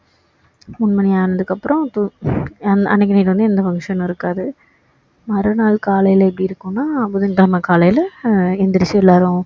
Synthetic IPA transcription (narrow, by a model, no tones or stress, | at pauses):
mʊnmɐnɛjaːnɐðɯkːɐpːɯɾɔ̃t̪uɐnɐ̰nɪk̬ːɐnɐɪʈːɯʋɐnd̪ɯɛnd̪ɐpɐŋʂɐnɪɾɯkːaːðɯ | mɐɾɐnaːlkaːlɐjɪlɛpːɽiɪɾɯkːʊ̃nːaːɐpːɐðɯŋɡɐɭɐmɐkaːlɐjlɛnd̪ɐɾɪsjɐɛlːaːɾʊ̃